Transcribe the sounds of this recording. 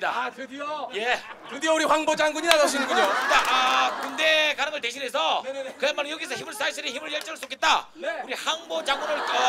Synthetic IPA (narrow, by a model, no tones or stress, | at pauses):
ɲida̰ | je̞kɯdejouɾiɸwaŋbod͡ʑaŋɡuɲinaɡaɕʰinɯŋɡuɲokɯndeʔakɯnde̞kaɾɯŋɯɭte̞ɕʰinɦe̞sʰʌkɯamːanɯŋjoɡiesʰʌçʰimɯɭs͈aisʰɯɾiçimɯɭjʌɭt͡ɕ͈ʌŋɯɭs͈ok͈et̚t͈auɾihaŋbod͡ʑaŋɡunoɭk͈ʌ